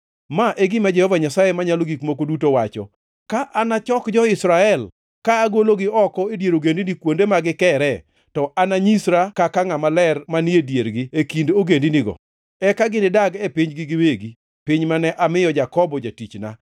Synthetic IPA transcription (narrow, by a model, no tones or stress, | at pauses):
maʔeɡɪmad͡ʒɛhɔvaɲasajemaɲaloɡikmokodutowat͡ʃɔ̰ | kaʔanat͡ʃɔkd͡ʒɔɪsɾaɛl | kaːɡoloɡɪɔkɔedjeɾoɡendinikwondemaɡɪkɛɾɛ | tɔʔanaɲisɾakakaŋamalɛrmaniedjeɾɡɪekindoɡendiniɡɔ̰ | ɛkaɡɪnɪdaɡɛpɪɲɡɪɡɪweɡi | pɪɲmanɛʔamɪjɔd͡ʒakɔbɔd͡ʒatit͡ʃna̰